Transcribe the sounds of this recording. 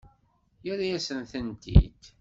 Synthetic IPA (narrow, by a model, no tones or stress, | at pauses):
jʊɾjæsənθənt̪ḭd̪